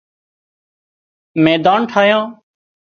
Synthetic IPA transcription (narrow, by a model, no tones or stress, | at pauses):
mẽːd̪aːɳʈʰaːjãː